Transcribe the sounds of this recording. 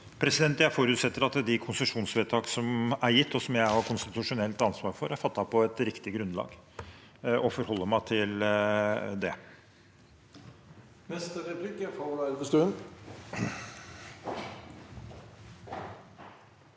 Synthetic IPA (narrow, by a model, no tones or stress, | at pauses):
pʰɾɛsɪd̪ɛnt̪jæfoɾʉːt̪sɛt̪ːəɾɑt̪d̪ɪkʰʊnsəʂuːnsʋeːt̪ʰɑːksɔmæɾjɪt̪ːɔsɔmjæɪhɑɾkʰʊnst̪ɪt̪ʉʂʊnɛlt̪ɑnsʋɑːɾfɔɾæɾfɑt̪ːɑpʰɔɛt̪ɾɪkt̪ɪɡɾʉnd̪lɑ̰ːɡ | ɔfɔɾhɔlːəɾmæɪt̪ʰɪl | d̪ɛ | nɛst̪əɾɛpʰlikəfolɑɾbəst̪ʉːən